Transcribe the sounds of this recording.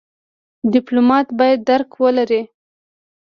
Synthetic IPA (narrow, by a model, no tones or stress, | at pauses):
d̪ɪplomɑt̪bɑjad̪ːaɾkwəlaɾi